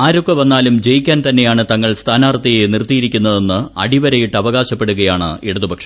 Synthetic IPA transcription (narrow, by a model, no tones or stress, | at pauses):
aːɾo̞kːɐʋɐnːaːlumd͡ʑe̞jikʲːaːnt̪ɐnːejaːɳɨt̪ɐŋːɐɭst̪ʰaːnaːrt̪ːɐjenirt̪ːijiɾikʲːunːɐðe̞nːɨɐ̰ɽiʋɐɾɐjiʈːɐʋɐɣaːɕɐpːe̞ɽuɣɐjaːɳɨ̰iɽɐðubʱɐkʂɐ̥m